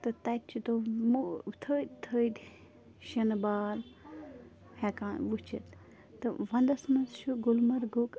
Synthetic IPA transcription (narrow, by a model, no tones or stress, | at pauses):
t̪ɨt̪ɐt̚t͡ʃʰit̪omut̪ʰəːd̪ʲt̪ʰəd̪ʲ | ʃɐnbaːl | hɛkaːnʋut͡ʃʰḭt̪ | t̪ɨʋɐnd̪ɐsmɐst͡ʃʰuɡulmɐɾɡuk